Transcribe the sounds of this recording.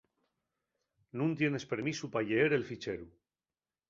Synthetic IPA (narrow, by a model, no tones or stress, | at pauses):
nũnt̪je̞ne̞spe̞ɾmisupaʎeeɾe̞lfit͡ʃeɾu